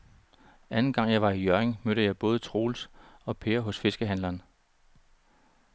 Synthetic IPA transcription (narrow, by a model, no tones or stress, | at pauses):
ʔænn̩ɡ̥ɑ̈ŋ̰jɑ̈ɪʋɑ̈ijøɐeŋmøɾəjɑ̈ɪb̥ɔ̽ːð̞̩ˠt͡sʰʁo̝̰ːlsɒ̽pʰe̝ɐɦɔ̽sfe̝sɡ̥əɦænlɐn